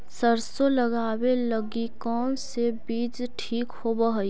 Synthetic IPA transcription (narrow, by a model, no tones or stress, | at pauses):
səɾsoləɡaːweləɡikɔːnsebiːd͡ʒʈʰiːkhobəɦə